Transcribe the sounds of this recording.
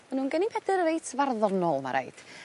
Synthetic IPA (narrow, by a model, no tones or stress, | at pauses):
manuːnɡənipʰɛdəɾəɾejtʰvarðɔnɔlˠma̰ɾḛjd̥